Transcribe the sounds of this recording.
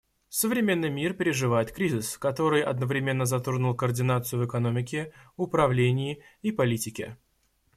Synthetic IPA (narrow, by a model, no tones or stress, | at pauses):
səvɾʲɪmʲe̞nːɨjmʲirpʲɪɾʲɪʐɨvajɪt̪kɾʲizʲɪskɐt̪o̞ɾɨjʔɐ̰d̪nəvɾʲɪmʲe̞nːəzɐt̪orɡnʊlˠkərdʲɪnat̪sɨjʊvɨkɐno̞mʲɪkʲɪʊpɾɐvlʲenʲɪɪipɐlʲitʲɪkʲɪ̰